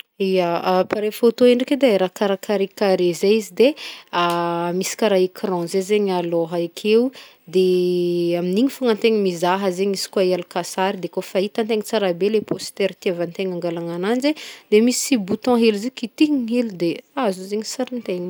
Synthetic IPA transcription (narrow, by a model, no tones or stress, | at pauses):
ijaapaɾefot̪oeɳɖ͡ʐeked̪aeɾakaɾakaɾikaɾezeizid̪eamisi̥kaɾaikʰɾɔ̃zezeɲaloɦaikʰeu | d̪e | aminiɲifaŋãnt̪eɲimizaɦəzeɲisi̥kwaielukasaɾid̪ekofait̪ãnt̪̬eŋit͡saɾabelepost̪ɛɾt̪iavant̪eŋaŋɡalaŋanand͡ʒed̪̥emisi̥sibut̪ɔ̃ɦelizekit̪iiɲiɦeld̪eazuzeɲisaɾint̪eɲi